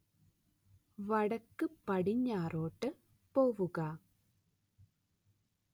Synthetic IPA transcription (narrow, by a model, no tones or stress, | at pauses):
ʋɐɽɐkːɨpːɐɽiɲːaːɾoːʈːɨ | poːʋuɣɐ